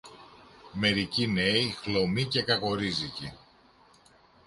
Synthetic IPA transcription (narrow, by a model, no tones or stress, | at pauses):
me̞ɾicine̞ixlo̞mice̞kɐko̞ɾizici